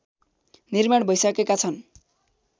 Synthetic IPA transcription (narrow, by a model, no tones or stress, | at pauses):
nirmaɽbʱʌjsakekat͡sʰʌn